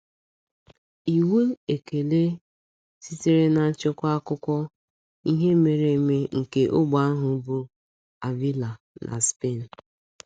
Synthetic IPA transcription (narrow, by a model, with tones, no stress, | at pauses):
i˨we˦e˨ke˨le˦ | si˦te˦ɾe˦na˨˦t͡ʃʊ˦kʷa˦kʊ˦kʷɔ˦ | i˦ɦe˦me˨ɾe˨me˦ŋ̩˨ke˨ʔʊ˦ɡ͡ba˦ɦʊ˨˦bʊ˦ | a˨vi˦la˨ | na̰˨spe˦˨n̩˨